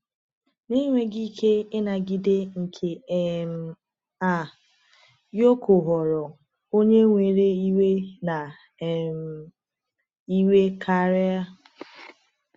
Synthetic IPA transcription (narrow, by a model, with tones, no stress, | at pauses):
ni˦ŋʷe˦ɡi˦kʰe˦ɪ˦na˨ɡɪ˨de˦ŋ̩˨kʰe˨˦m̩˦ | a˨ | jo˦kʰo˨ɦɔ˨ɾɔ˨ | o˦ɲe˦ŋʷe˨ɾe˦i˦we˦na˨ | m̩˦ | i˦we˦kʰa˨ɾe˦a˦